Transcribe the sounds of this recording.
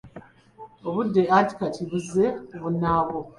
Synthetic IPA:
oβudːe̞ati̥katʰiβuze̞βunaːβo

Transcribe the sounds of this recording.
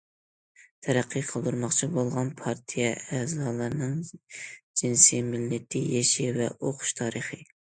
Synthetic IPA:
t̪ʰɛɾæqʰːəqʰəlˠd̪uɾmɑχt͡ʃʰibolˠʁɑnpʰɑɾt̪ʰijɛɛːzɑːlˠɨɾnɨŋ | d͡ʒinsimɪlːɪt̪ʰɪjeʃivɛ̰ʔoqʰʊ̥ʃt̪ʰɑːɾəχɨ

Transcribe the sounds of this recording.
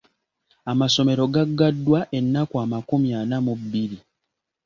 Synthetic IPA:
amaso̞me̞ɾo̞ɡaɡːadːwaʔe̞nːakwaːmakumjanamubːiɾi

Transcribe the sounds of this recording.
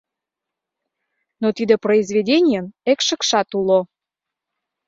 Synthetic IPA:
not̪id̪eproizvʲedʲenʲijənekʃə̆kʃɑt̪ulo

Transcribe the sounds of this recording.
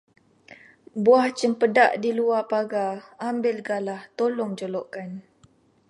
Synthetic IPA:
buaht͡ʃəmpəda̰ʔdiluapaɡaambɪlɡalaht̪olɔŋd͡ʒolɔʔkan

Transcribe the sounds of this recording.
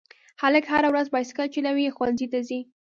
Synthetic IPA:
haləkhaɾawɾazbɑjskalt͡ʃelawixwanzit̪azi

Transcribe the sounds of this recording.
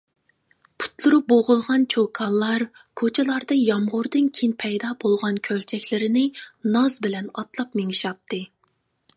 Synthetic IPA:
pʰu̥t̪lˠuɾup̚boʁʊlˠʁɑnt͡ʃʰokʰɑlˠːɑɾkʰot͡ʃʰɛlˠɑɾd̪ɑjɑmʁʊɾd̪ɨnkʲʰinpʰɛjd̪ɑbolˠʁɑnkʲʰølt͡ʃʰɛkʲlɪɾɪnɪnɑzbɪlɛnɑ̰t̪lˠɑpmeŋiʃɑp̚t̪ʰːɨ

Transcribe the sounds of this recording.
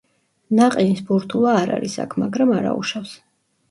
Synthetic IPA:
naqʼɛnisbuɾt̪ʰulˠaːɾa̰ɾisa̰kʰmaɡɾamaɾa̰ṵʃafs

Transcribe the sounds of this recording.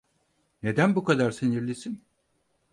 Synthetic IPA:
ne̞d̪ænbukʰad̪aɾsiniɾlʲisin

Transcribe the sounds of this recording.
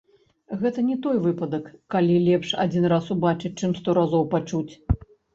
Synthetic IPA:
ɣɛt̪ɐnʲɛt̪ɔjvɨpɐd̪ɐkːalʲilʲɛpʂa̰d͡zʲinrasubat͡ʂɨt͡s̚ʲt͡ʂɨmst̪ɔɾazɔwpat͡ʂut͡sʲ

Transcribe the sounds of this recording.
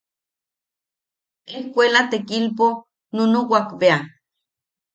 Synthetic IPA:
ehkʷelat̪ekilp̬o | nunuwakbea

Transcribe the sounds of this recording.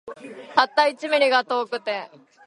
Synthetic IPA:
t̪at̪ːait͡ɕimiɾiɡat̪oːkɯ̟t̪e

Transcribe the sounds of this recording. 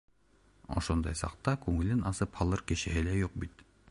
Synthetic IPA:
o̰ʃond̪ɑjsɑ̰qt̪ɑkɵŋɘlɘnɑsɤphɑlˠɤɾkeʃeɦelæjoq̚bit̪

